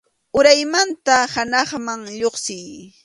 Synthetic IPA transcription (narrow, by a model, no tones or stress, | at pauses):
ʊɾajmant̪ahanɑχmaŋʎoχsɪj